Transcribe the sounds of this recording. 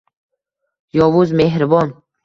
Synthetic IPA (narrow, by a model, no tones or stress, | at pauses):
jɔvuzmeɦɾbɔn